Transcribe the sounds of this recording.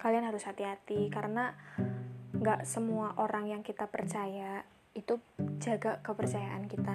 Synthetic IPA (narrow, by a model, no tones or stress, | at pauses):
kalianɦaɾʊshat̪iɦat̪ikaɾəna | ŋɡaʔsəmuaʔoɾaŋjaŋkit̪apərt͡ʃaja | it̪ud͡ʒaɡakəpərt͡ʃajaʔankit̪a